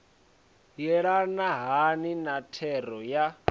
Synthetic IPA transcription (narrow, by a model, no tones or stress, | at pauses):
jɛɺanaɦaninatʰɛɾɔja